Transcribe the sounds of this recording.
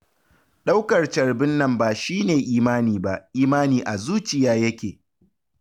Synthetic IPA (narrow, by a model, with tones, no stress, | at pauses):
ɗa˦wkɐ˨rt͡ʃɐ˨ɽbɪ˦nːɐ˦mbaː˨ʃiː˦neː˨ʔiː˦maː˦niː˨ba˦˨ʔʔiː˦maː˦niː˨ʔa˨zuː˦t͡ʃɪ˨jaː˦jɐ˦kʲeː˨